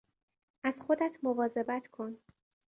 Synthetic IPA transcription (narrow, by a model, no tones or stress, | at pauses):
ʔæzxo̞d̪æt̪ʰmo̞vɒːze̞bæt̪ʰkʰo̞n